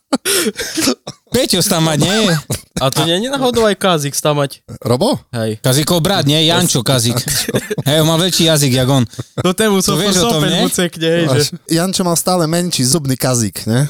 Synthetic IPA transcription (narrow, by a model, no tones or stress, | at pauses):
pɛcɔst̪amːaɟɲɛjɛat̪ɔɲɛɲɛnaːɦɔd̪ɔʊajkazikst̪amacɾɔbɔɦɛjkazikɔwbɾad̪ɲɛɛjant͡ʃɔkazikɦɛjɔnmaːʋɛʎʃiːjaziɡjaɡɔnt̪ɔt̪ɛmusɔʋɪɛʒɔt̪ɔmɛɲɛut͡sɛkɲɛɛjɛjant͡ʃɔmalst̪aːlɛmɛɲʃiːzubnikazikɲɛ